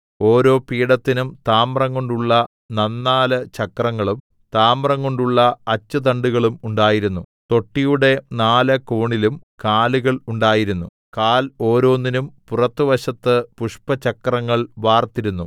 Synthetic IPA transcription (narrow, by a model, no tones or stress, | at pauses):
o̞ːɾo̞ːpiːɽɐt̪ːinumt̪aːmrɐŋɡo̞ɳɖuɭːɐ | nɐnːaːlɨt͡ɕɐkːrɐŋːɐɭum | t̪aːmrɐŋɡo̞ɳɖuɭːɐɐt͡ɕːɐt̪ɐɳɖuɣɐɭumuɳɖaːjiɾunːut̪o̞ʈːijuɽe̞naːlɐkoːɳilumkaːluɣɐɭuɳɖaːjiɾunːu | kaːlo̞ːɾo̞ːnːinumpurɐt̪ːɨʋɐɕɐt̪ːɨpuʂpɐt͡ɕɐkrɐŋːɐɭʋaːrt̪iɾunːu